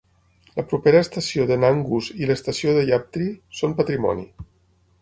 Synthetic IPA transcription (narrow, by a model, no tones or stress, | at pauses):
ləpɾupeɾəːst̪əsioðənaŋɡuziləst̪əsioðəʎap̚t̪ɾisompət̪ɾimɔ̰nḭ